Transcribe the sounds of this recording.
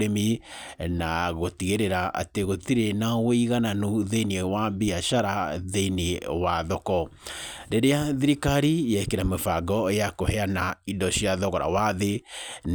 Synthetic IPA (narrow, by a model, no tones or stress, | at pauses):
ɾeminaɣotiɣeɾeɾaʔa̰teɣotiɾenawoiɣananuðeiniewabiaʃaɾaðeiniwaðɔkɔɾeɾeaðiɾikaɾijɛkeɾamefaɡɔeakohɛanaidɔɕiaðɔɣɔɾa̰waðen